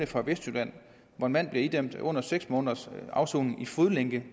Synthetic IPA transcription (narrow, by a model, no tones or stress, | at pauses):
əfɑ̈ʋesd̥ylæn̰ | ʋɒe̝nmæn̰b̥liɐid̥em̰d̥ɔ̽n̰ɐseɡ̥smɔ̽ːnðɐsɑ̈ʊso̰ːnŋ̩ifuðˠleŋɡ̥ə